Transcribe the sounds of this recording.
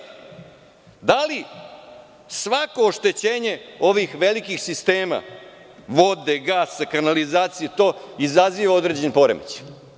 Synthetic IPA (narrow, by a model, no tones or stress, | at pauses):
d̪ali | sʋako̞ːʃt̪et͡ɕeːɲe̞o̞ʋixʋelikixsist̪eːma̰ | ʋod̪eɡaːsakanalizaːt̪sijet̪o̞ːizaziʋao̞d̪ɾe̞d͡ʑenpo̞ɾḛmḛt͡ɕ